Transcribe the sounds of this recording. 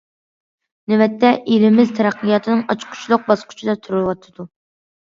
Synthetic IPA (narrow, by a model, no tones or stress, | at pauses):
nɪwɛt̪ʰːɛʔeɾɪmɪzt̪ʰɛɾæqːijɑt̪ʰɨnɨŋɑt͡ʃqʰʊ̥t͡ʃʰlˠʊq̚bɑsqʰʊ̥t͡ʃʰid̪ɑt̪ʰuɾɨwɑt̪ʰːɨd̪̥u